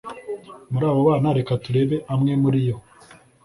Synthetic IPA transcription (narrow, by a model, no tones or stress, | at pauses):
muɾaːβoβaːnaɾekatuɾe̞ːβe̞ʔamŋe̞muɾijo̞